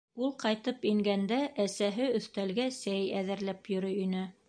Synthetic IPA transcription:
ulˠqɑjt̪ɤpiŋɡænd̪æʔæsæɦɘɵ̆θt̪ælɡæsæjæðɘ̆ɾlæpjɵ̆ɾɵinɘ

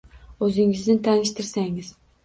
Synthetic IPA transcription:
ɵzɪŋɪznɪt̪ʰanɪʃt̪ɪɾsaŋɪz̥

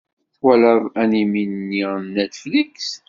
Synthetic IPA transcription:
θwæləðˤæniminːinet̪fliks

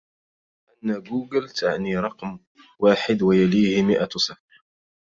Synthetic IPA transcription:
ʔanːaɡuːɡɪlt̪ʰaʕniɾˤɑqm | waːħɪd̪wajaliːhɪmɪʔasaf

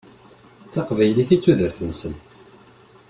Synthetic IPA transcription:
t͡sːɑqvæjliθit͡sːuðəɾθənsən

